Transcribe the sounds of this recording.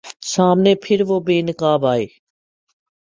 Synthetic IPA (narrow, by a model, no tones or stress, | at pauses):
saːmneːpʰɪɾʋoːbeːnɪkaːbaːeː